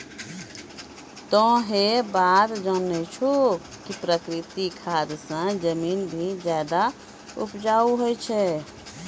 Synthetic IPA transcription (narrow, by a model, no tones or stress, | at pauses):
t̪ɔ̃ɦebat̪d͡ʒənɛt͡ʃʰu | kipɾəkɾit̪ikʰad̪sə̃d͡ʒəminbʱid͡ʒad̪a | upd͡ʒauɦojt͡ʃʰɛ